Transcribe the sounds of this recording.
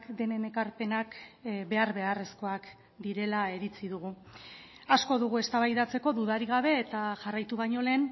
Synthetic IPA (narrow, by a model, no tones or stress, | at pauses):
kd̪e̞ne̞ne̞kaɾpe̞nakbe̞aɾβe̞are̞sko̞ak | d̪iɾe̞lae̞ɾit͡siðuɣ̞u | asko̞ðuɣ̞ue̞st̪aβajðat͡se̞ko̞ðuð̞aɾiɣ̞aβe̞ːt̪aʝarajt̪uβaɲo̞le̞ːn